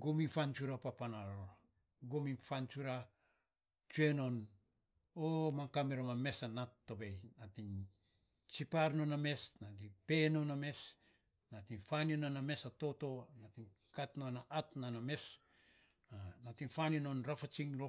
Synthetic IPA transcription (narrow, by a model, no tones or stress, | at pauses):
ɡomifant͡ʃuɾapapanao | ɡominfant͡ʃuɾa | t͡ʃue̞no̞n | omaŋkameɾoŋame̞sanatːo̞bejnatin | t͡ʃipaɾno̞name̞snadipe̞noname̞s | natinfaninaname̞sato̞to̞natin | katnonaʔatnaname̞s | anatiŋfaninonɾafat͡ʃiŋlo